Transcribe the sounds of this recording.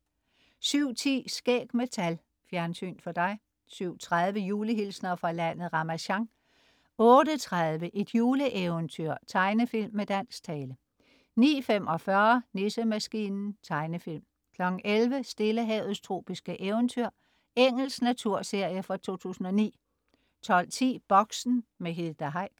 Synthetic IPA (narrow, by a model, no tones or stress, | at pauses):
syʊ̰t͡sʰḭːsɡ̥eɡ̥met͡sʰæl | fjæɐnsy̰ːnd̥fɒ̽d̥ɑ̈ɪ | syʊ̰t͡sʰʁaðˠʋəjuːləɦilsnɐfʁɑ̈læn̰ð̩ˠʁɑ̈mæɕɑ̈ŋ | ɔ̽ːɾət͡sʰʁaðˠʋəʔe̝d̥juːləʔeʊənt͡sʰyɐ̰t͡sʰɑ̈ɪnəfil̰mːed̥æn̰st͡sʰɛːlə | nḭːfemʔɒ̽fɶɐne̝səmæsɡ̥iːnn̩t͡sʰɑ̈ɪnəfil̰m | kʰlɒ̽ɡ̥ŋ̩ʔelʋəsd̥e̝ləɦɛʊð̩ˠst͡sʰʁo̝̰ːb̥isɡ̥əʔeʊnt͡sʰyɐ̰ | eŋ̰l̩snæt͡sʰuɐ̰se̝ɐ̰jəfɑ̈t͡sʰo̝̰ːt͡sʰṵːsn̩ɒ̽nḭː | t͡sʰɒ̽l̰t͡sʰḭːb̥ɒ̽ɡ̥sn̩meɦiðˠd̥æɦɑɪ̰̥